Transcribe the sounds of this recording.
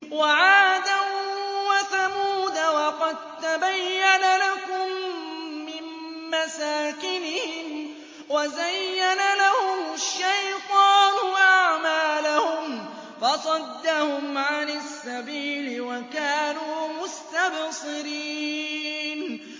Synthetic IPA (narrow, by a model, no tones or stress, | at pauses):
waʕaːd̪awwaθamuːd̪awɑqɑd̪̚t̪abajːanalakʊmː | ɪn | masaːkɪnɪhɪm | wazajːanalahʊmʃːajt̪ˤɑːnʊʔaʕmaːlahʊm | fɑsˤɑd̪ːahʊmʕanasːabiːlɪwakaːnuːmʊst̪absˤɨɾiːn